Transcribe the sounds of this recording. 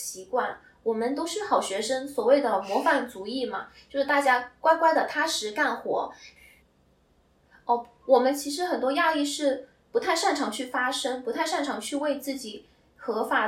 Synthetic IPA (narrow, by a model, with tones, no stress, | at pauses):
ɕi˧˥kwa˥˩n | wɔ˨˩mə˦nt̪o˥ʊʂɻ̩˥˩xɑ˨˩ʊɕɥɛ˧˥ʂə˥ŋswɔ˨˩we˥˩ɪd̪ə˩mwɔ˧˥fa˨˩nt͡su˧˥i˥˩mɐ˩t͡ɕjo˥˧ʊʂɻ̩˥˩t̪a˥˩t͡ɕja˥kwa˥ɪkwa˥ɪd̪ə˨t̪ʰa˥ʂɻ̩˧˥ka˥˩nxwɔ̰˧˥ | ə˥˩ | wɔ˨˩mə˦nt͡ɕʰi˧˥ʂɻ̩˧˥xə˨˩nt̪wɔ˥ja˥˧i˥˧ʂɻ̩˥˩ | pu˧˥t̪ʰa˥˧ɪʂa˥˩nʈ͡ʂʰɑ˧˥ŋt͡ɕʰy˥˩fa˥ʂɤ˥ŋpu˧˥t̪ʰɪʂa˥˩nʈ͡ʂʰɑ˧˥ŋt͡ɕʰy˥˧we˥˧ɪt͡sɹ̩˥˩t͡ɕi˨˩˦ | xɤ˧˥fa˨˩